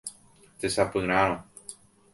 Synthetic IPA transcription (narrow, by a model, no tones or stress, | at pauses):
t̪esapɨɾ̃aɾõ